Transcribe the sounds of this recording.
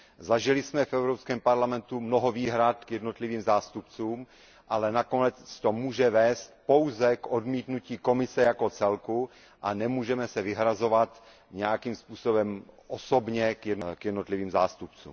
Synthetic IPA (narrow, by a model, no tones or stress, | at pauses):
zaʒɪlɪsmɛfɛwɾopskɛːmpaɾlamɛnt̪umnoɦoviːɦɾat̪kjɛdnot̪liviːmzaːst̪upt͡suːm | ʔalɛnakonɛt͡st͡st̪omuːʒɛvɛːst̪po̞wzɛkodmiːt̪nuciːkomɪsɛjakot͡sɛlku | ʔanɛmuːʒɛmɛsɛvɪɦɾazo̞vat̪ | ɲɛjakiːmspuːsobɛmʔosobɲɛkjɛdnokjɛdnot̪liviːmzaːst̪up̚t͡sṵːm